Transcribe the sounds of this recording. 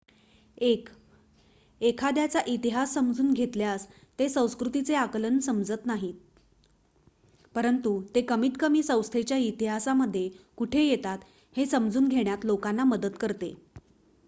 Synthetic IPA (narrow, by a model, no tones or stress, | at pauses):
ek | ekʰad̪jat͡saʔit̪iɦasːəmd͡zuːnɡʱet̪ljas | t̪esə̃w̃skɾut̪it͡seaklənsəmd͡zət̪naɦi | pəɾənt̪ut̪ekəmiːt̪kəmiːsə̃w̃st̪ʰet͡ɕjait̪iɦasaməd̪ʱːjekuʈʰejet̪at̪ | hesəmd͡zuːnɡʱeɳjat̪lokanːaməd̪ət̪kəɾt̪ḛ